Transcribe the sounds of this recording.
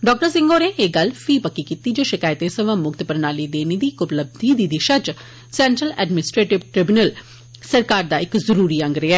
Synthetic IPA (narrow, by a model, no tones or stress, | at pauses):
ɖɔːk̚ʈəɾsɪ̃ŋɡoːneːeɡəlfʰiːpəkːiːkiːt̪iːd͡ʒoːʃɪkaːjt̪ẽːsəʋãːmʊkt̪pəɾnaːliːd̪eːneːd̪iːkʊpləb̚d̪iːd̪iːd̪iːʃət͡ʃ | sɛ̃ːɳʈɾəlɛ̰ːɖmɪnɪsʈɾeːʈɪʋʈɾɪbʊnəl | səɾkaːɾd̪aːɪkzəɾuːɾiːə̃ŋɡɾeːɛː